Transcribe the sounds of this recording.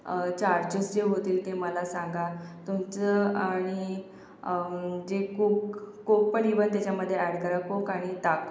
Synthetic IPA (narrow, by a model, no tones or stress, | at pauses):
t͡ɕaɾd͡ʑəsd͡ʑeɦot̪iːlt̪eməlasãŋɡat̪umt͡səaɽ̃i | d͡ʑekukkok̚pəɳiʋənt̪jat͡ɕaməd̪ʱːjeæɽkəɾakokaɽ̃it̪ak